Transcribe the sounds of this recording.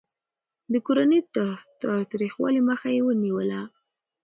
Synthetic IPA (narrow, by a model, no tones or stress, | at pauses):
d̪əkoɾanət̪ət̪ɑt̪ɾixwɑ̰liməxajewəniwəla